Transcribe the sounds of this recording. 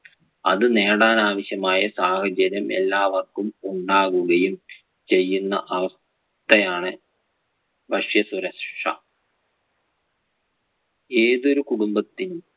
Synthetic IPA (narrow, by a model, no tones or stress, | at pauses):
ɐ̰ðɨne̞ːɽaːnaːʋɐɕjɐmaːjɐsaːhɐd͡ʑɐɾɐmʔe̞̰lːaːʋɐrkumuɳɖaːɣuɣɐjum | t͡ɕe̞jːunːɐʔɐʋɐs | t̪ɐjaːɳɨ | bʱɐʂjɐsuɾɐʂɐ | e̞ːðo̞ɾukuɽumbɐt̪ːinum